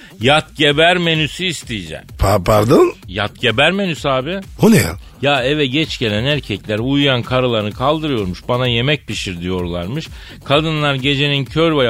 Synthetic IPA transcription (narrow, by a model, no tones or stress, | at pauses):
jat̪̚ɟe̞bæɾme̞nysyːst̪ʰijid͡ʒɛ̰mpʰpʰaɾd̪onjat̪ɟe̞bæɾme̞nysaːbɪunija̰ | jaːevɛɟɛt͡ʃɟe̞lʲænæɾcʰɛclʲæɾujujankʰaɾalˠaɾɯnɯkʰalˠd̪ɯɾɯjo̞ɾmuʃbanaje̞mɛc̚piʃiɾd̪ijo̞ɾlˠaɾmɯʃ | kʰad̪ɯnlˠaɾɟe̞d͡ʒe̞nincʰøɾbaj